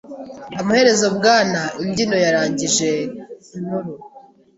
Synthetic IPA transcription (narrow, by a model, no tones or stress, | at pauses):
amuhe̞ɾe̞zo̞bɡaːnaʔimɟino̞jaɾaːɲɟiʒe̞nuɾu